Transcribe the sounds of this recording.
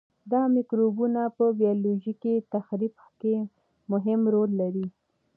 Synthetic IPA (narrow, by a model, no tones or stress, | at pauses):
d̪ɑmɪkɾobunapəbijɑloʒikit̪axɾib | ke | mʊɦɪmɾolːaɾi